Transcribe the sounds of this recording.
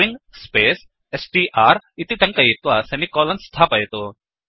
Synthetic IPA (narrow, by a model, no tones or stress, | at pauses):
iŋɡspeːs | esʈiːʔaːɾit̪iʈ̪ɐŋkɐjit̪ʋɐsenikoːlɐnst̪ʰaːpɐjɐt̪u